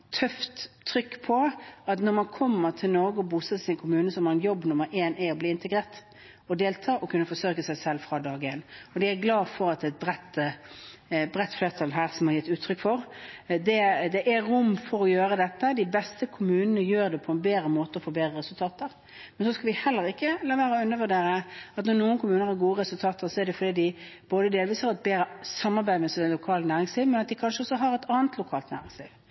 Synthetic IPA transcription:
t̪ʰœft̪ʰː | ɾʏkːpʰɔɑt̪nɔɾmɑnkʰɔmːəɾt̪ʰɪlnɔɾɡəɔbuːsət̪ɪsɪnkʰʊmʉːnəsɔmɑɾɛnjɔbːnʊmːəɾʔeːnæɔbliːɪnt̪əɡɾeːʁʈ̪ | ɔd̪eːlt̪ʰɑːʔɔkʰʉnːəfɔsøːkəsæɪsɛlfɾɑːd̪ɑːɡɪeːnːɔd̪ɪæɡlɑːfɔɾɑt̪ɛt̪̚bɾɛt̪ː | bɾɛt̪ːfleːʁt̪ʰɑlɦæːɾsɔmhɑɾjɪt̪ːʉːt̪ʰːɾʏkːfɔɾd̪ɛd̪ɛʔæɾʊmːfɔɾɔjøːɾəd̪ɛt̪ːəd̪ɪbɛst̪əkʰʊmʉːnənəjøːɾd̪ɛpʰɔɛnbeːd̪ɾəmoːt̪əɔfoːbeːd̪ɾəʁɛsʉlt̪ʰɑːt̪əɾ | mɛnsɔskɑlʋɪhɛlːəɾɪkːəlɑːʋæːɾɔʉnːəʋʉɖ̪eːɾəɑt̪nɔʁnuːənkʊmʉːnəɾhɑɾɡuːəɾʁɛsʉlt̪ʰɑːt̪əsɔɛɾd̪ɛfɔd̪iːd̪ɪ | b̥oːd̪əd̪eːlʋiːshɑːɾɛt̪̚beːɾəsɑmːɑɾbæɪd̪mɛsɔmd̪ɛnlʊkʰɑːlənæːɾɪŋsliːʋmɛnɑt̪̚d̪ɪkʰɑnʃəɔsːɔɦɑɾɛt̪ʰɑːnt̪ʰlʊkʰɑːlt̪næ̰ːɾɪŋsliːʋ

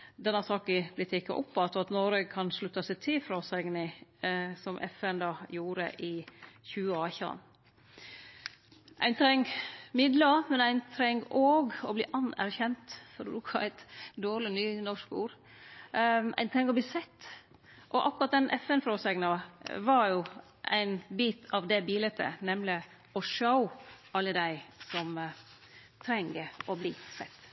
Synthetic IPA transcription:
d̪ɛnɑsɑːkɪblɪt̪ʰːɪkːə̰ʔɔ̰pːɑt̪ɔɑt̪nɔɾəkʰɑnʂɭʉt̪ːɑsæɪt̪ʰɪlfɾoːsæɡnɪ | sɔmʔɛ̰fɛnd̪ɑːjuːɾə̰ʔɪçʉːəɑːçɑ̰n | ʔæ̰ɪnt̪ʰɾɛŋɡmɪd̪ləmɛnæɪnt̪ʰɾɛŋːoːɡɔbliːʔɑnæ̰ɾçɛnt̪fɔɾɔbɾuːkʰɑæɪt̪d̪oːɾɭɪnyːnɔʂkuːɾ | ʔæ̰ɪnt̪ʰɾɛŋːɔbliːsɛt̪ː | ʔɔʔɑkːɾɑt̪̚d̪ɛnʔɛfɛnfɾɔsɛɡnɑʋɑɾjʊ | ʔæ̰ɪnbiːt̪ʰɑʋd̪ɛbiːlɛt̪ʰːə̰nɛmlɪ | ɔʂəʊʔɑlːəd̪æɪsɔm | t̪ʰɾɛŋːəɔbliːsɛt̪ː

